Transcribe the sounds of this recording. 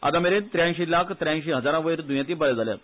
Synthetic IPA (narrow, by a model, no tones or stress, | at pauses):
a̰d̪ameɾent̪ɾjãnɕilakʰt̪ɾjãnɕiɦəd͡zaɾãʋəiɾd̪ujãt̪iːbəɭed͡zalja̰t̪